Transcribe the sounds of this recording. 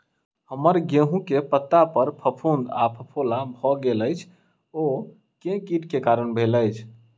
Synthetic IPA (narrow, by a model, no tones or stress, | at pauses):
həməɾɡeɦũkepət̪ːapəɾpʰəpʰũnd̪apʰəpʰolabʱɔɡeləjt͡ʃʰ | o | kẽkiʈkekaɾənbʱeləjt͡ʃʰ